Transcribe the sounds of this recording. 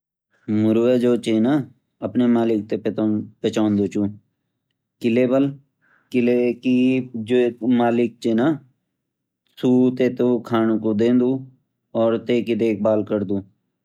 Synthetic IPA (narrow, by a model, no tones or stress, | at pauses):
mʊɾuʋeːd͡ʒoːt͡ʃeːnaː | əpnemaːlɪk̚t̪epet̪ompət͡ʃaːnd̪oːt͡ʃuː | kɪleːbəl | kɪleːkid͡ʒoːmaːlɪk̚t͡ʃeːnaː | suːt̪eːt̪okʰaːnoːkod̪ẽːnd̪uː | ɔːɾt̪eːkid̪eːk̚ʰbaːlkəɾd̪uː